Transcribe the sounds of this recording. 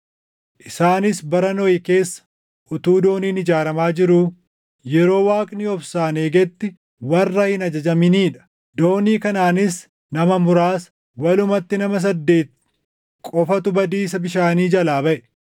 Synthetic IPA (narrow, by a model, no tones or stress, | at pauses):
ʔɪsaːnɪsbɐɾɐnɔjɪke̞ːsːɐ̥ | ʔʊt̪uːd̪o̞ːniːnɪd͡ʒaːɾɐmaːd͡ʒɪɾuː | jɛɾo̞ːwaːkʼnɪɔfsaːneːɡɛt̪ːɪ | wɐrːɐhɪnɐd͡ʒɐd͡ʒɐmɪniːᶑɐ̥ | d̪o̞ːniːkɐnaːnɪs | nɐmɐmʊɾaːs | wɐlʊmɐt̪ːɪnɐmɐs̬ɐd̪ːeːt̪̚ | kʼɔfɐt̪ʊbɐd̪iːs̬ɐbɪʃaːniːd͡ʒɐlaːbɐʔɛ̥